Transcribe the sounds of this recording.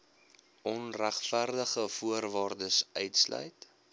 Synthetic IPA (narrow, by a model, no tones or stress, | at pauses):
ʔɔnræχfærdəχəfuərvɑːrdəsœɥtslœ̰jt